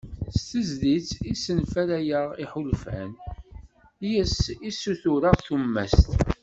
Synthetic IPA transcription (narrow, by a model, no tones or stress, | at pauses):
st̪əzðit͡sːisənfælæjəʁiħʊlfæ̰n | jəsisuθʊɾəʁθumːæ̰st̪